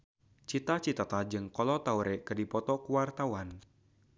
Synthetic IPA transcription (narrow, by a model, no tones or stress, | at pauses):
t͡ʃit̪at͡ʃit̪at̪ad͡ʒɨŋkɔlɔt̪auɾɛkɨrdipɔt̪ɔkuwart̪awan